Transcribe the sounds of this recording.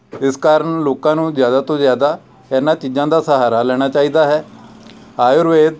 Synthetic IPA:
ɪskaːɾəɳloːkãːnũːzjaːd̪aːt̪õːzjaːd̪aː | ɛːnãːt͡ʃiːd͡ʒãːd̪aːsəɦaːɾaːlɛːɽ̃aːt͡ʃaːiːd̪aːɦɛː | aːjʊɾʋeːd̪

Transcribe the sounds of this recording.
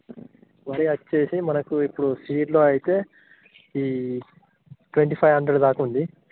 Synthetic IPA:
ʋɐɾiɐt͡ʃːe̞ːsimɐnɐkuipːuɽusiːɖlo̞ːɐjit̪e̞ː | iː | ʈʋeɳʈiːpʰɐjʋɦɐɳɖɾeɖd̪aːkɐund̪i

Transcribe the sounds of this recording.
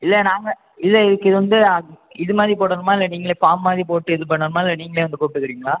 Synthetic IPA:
ɪlːɛnaːŋɡɐ | ɪlːɛɪðɯkːɯɪðɯʋɐnd̪ɯ | ɪðɯmaːðɾipoːɽɐɾɐmaːɪlːɐniːŋɡɐɭeːfaːmːaːðɾipoːʈːɯɪðɯpɐɳːɐɾɐmaːɪlːɐniːŋɡɐɭeːʋɐnd̪ɯkuːpɪʈːɯkːɪɾiːŋɡɐɭaː

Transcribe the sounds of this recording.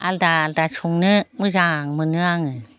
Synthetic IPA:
aldaːldat͡ʃʰuŋnɯmɯzaŋmɯnɯaŋɯ

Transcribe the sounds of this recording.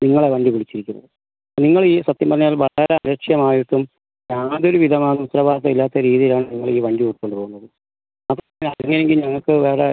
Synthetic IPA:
niŋːɐɭeʋɐɳɖipiɭit͡ɕːiɾikʲːunːɐ̰ðɨ | niŋːɐɭiːsɐt̪jɐmbɐrɐɲjaːlʋɐɭɐɾeɐɾɐkʂjɐmaːjiʈːum | ɲaːðo̞ɾuʋiðʱɐmaːnumut̪rɐbaːt̪ːɐilːaːt̪ːɐɾiːðijilaːɳɨniŋːɐɭiːʋɐɳɖiuʈːkːo̞ɳɖupoɣunːɐðɨ | maːt̪ː | lɐɐŋːɐneŋɡilɲɐŋːɐɭkɨʋeːɽe

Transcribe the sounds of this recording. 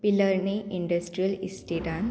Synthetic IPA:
piləɾniʔiɳɖəsʈɾijəlisʈiʈan

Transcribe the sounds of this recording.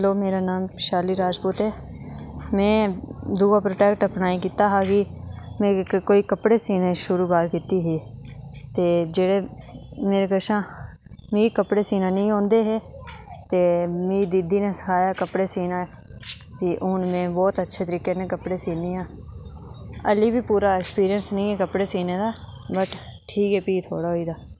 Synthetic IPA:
ɦɛloːmeːɾaːnaːmʃaːliːɾaːd͡ʒpuːt̪eː | mɛ̃ːd̪uːaːpɾoːʈɛːkʈəpnaːiːk̬iːt̪aːɦaːkɪmɛ̃ːkkoːiːkəpɽeːsiːnẽːʃʊɾuːbaːɾkiːt̪iːɦeːt̪eːd͡ʒeːɽeːmeːɾeːkəʃãː | mĩːkəpɽeːsiːnãːnĩːɦõːnd̪eːɦeːt̪eːmĩːd̪id̪iːnẽːsə̥kʰaːjaːkəpɽeːsiːnãː | kiʔʊːnmẽːbɔːt̪ətːʃʰeːt̪əɾiːkeːnẽːkəpɽeːsiːneːãː | əliːbiːpuːɾaːeːkspiːɾɪjənsnĩːɛːkəpɽeːsiːneːd̪aː | bəʈʈʰiːkɦɛːpiːt̪ʰo̰ːɽaːɦoːiːd̪aː

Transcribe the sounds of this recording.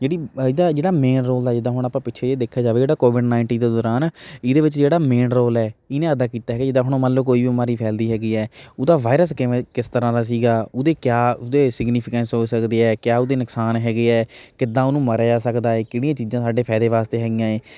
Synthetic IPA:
d͡ʒeːɽiːɪd̪aːd͡ʒeːɽaːmeːnɾoːld̪aːd͡ʒɪd̪ãːɦʊɽ̃aːpãːpɪtːʃʰeːeːd̪eːkʰːaːd͡ʒaːʋeːd͡ʒeːɽaːkoːʋɪɖnaːɪɳʈiːnd̪eːd̪ɔːɾaːnɪd̪eːʋɪt͡ʃd͡ʒeːɽaːmeːnɾoːlɛːɪnẽːəd̪aːkiːt̪aːɦɛːɡed͡ʒɪd̪ãːɦʊɽ̃õːmələːkoːiːʋiːmaːɾiːpʰɛːld̪iːɦɛːɡiːɛːʊd̪aːʋaːɪɾəskɪekɪst̪əɾãːd̪aːs̬iːɡaːʊd̪eːkjaːʊd̪eːsɪɡniːpʰɪkɛ̃ːnsɦoːsəkd̪eːɛːkjaːʊd̪eːnəksaːnɦɛːɡeːɛːkɪd̪ãːʊnũːməɾd͡ʒaːsəkd̪aːeːkɪɽ̃ijãːt͡ʃiːzãːsaːɖeːpʰɛːd̪eːʋaːst̪eːɦɛːɡɪjãːeː

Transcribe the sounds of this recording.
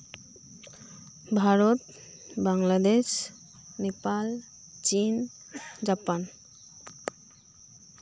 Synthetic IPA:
bʱaɾot̪ | baŋlad̪eʃ | nepal | t͡ɕin | d͡ʑapan

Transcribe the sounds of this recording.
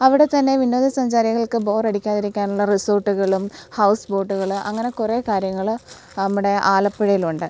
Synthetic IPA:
ɐʋiɽe̞t̪ɐnːe̞ʋinːo̞ːðisɐɲd͡ʑaːɾiɣɐɭkɨbo̞ːreɽikʲːaːðiɾikʲːaːnuɭːɐrisoːrʈːuɣɐɭumhɐwsbo̞ːʈːuɣɐɭʔɐ̰ŋːɐne̞kure̞ːkaːɾjɐŋːɐɭ | nɐmːuɽe̞ʔaːlɐpːɐɻɐjiluɳɖɨ

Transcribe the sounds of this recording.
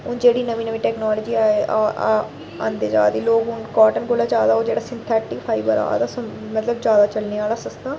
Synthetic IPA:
ɦʊnd͡ʒeːɽiːnəʋiːnəʋiːʈɛːknaːləd͡ʒiːaːeːʔaː | ã̰ːnd̪eːd͡ʒa̰ːd̪eːloːkɦʊnkaːʈənkʊlaːd͡ʒjaːd̪aːoːd͡ʒeːɽaːsɪnt̪ʰɛːʈɪkpʰaːibə̰ɾa̰ːd̪aːsõ | mət̪ləbd͡ʒjaːd̪aːt͡ʃəlneːaːlaːsəst̪aː

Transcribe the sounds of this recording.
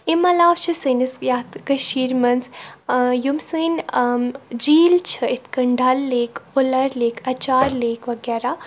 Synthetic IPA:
imɐlaːwt͡ʃʰisɨnisjaːt̪ʰɡɐʃiːɾmɐns | jumsɨn | d͡ʒiːlt͡ʃʰɐit̪kɐɳɖɐlːeːkʰolɐɾleːkʰɐt͡ʃaːɾleːkʋɐɡɛːɾaː

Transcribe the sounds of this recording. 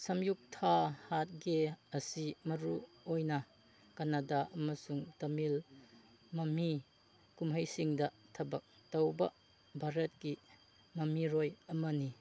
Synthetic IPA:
sɐmjuk̚tʰahat̚ɡeɐsimɐɾu | ojnɐ | kanadaʔɐmɐsuŋtɐmil | mɐmi | kumɦɐjsiŋdɐtʰɐbɐk̚ | tɐwbɐ | bʱaɾɐt̚ki | mɐmiɾojɐmɐni

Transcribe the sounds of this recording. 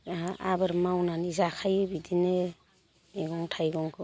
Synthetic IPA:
a̰bɯɾmawnanizakʰajɯbidinɯ | eɡɔŋtʰajɡɔŋkʰɯ

